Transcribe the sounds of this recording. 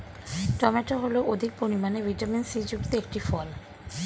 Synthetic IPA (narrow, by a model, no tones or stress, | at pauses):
ʈɔmeʈaɦoloʔod̪ʱik̚poɾimaneviʈaminsid͡ʑukt̪eek̚ʈifɔl